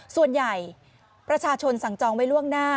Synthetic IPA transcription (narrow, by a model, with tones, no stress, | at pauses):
su˨˩ənja˨˩j | pɾa˧t͡ɕʰaː˧t͡ɕʰo˧nsa˨˩˦ŋt͡ɕɔː˧ŋwa˦˥jlu˥˩əŋnaː˥˩